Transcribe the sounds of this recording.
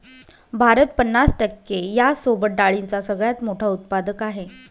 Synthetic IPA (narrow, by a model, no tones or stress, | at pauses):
bʱaɾət̪̚pənːasʈəkːejasobəʈ̚ɖaɭint͡sasəɡɭjat̪moʈʰaut̪̚pad̪əkaɦe